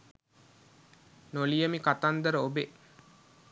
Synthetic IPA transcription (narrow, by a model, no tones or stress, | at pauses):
nolijəmikat̪and̪əɾəobe